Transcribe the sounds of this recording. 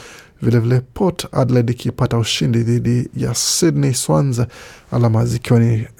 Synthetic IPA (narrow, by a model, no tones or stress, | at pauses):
vilɛvilɛpʰɔta̰dlɛdikʰipatauʃindiðiɗija̰sidniswanzaalamazikiwani